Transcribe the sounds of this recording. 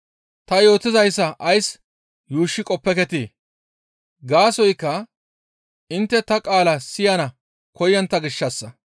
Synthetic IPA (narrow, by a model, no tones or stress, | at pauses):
t̪ɐjo̞ːt̪ɪzɐjsːɐʔɐjs | juːʃːɪkʼɔpːɛkɛt̪eː | ɡaːsɔjkːɐ | ʔɪnt̪ːɛt̪ɐkʼaːlɐsɪjɐnɐ | kɔjːɐnt̪ːɐɡɪʃːɐsːɐ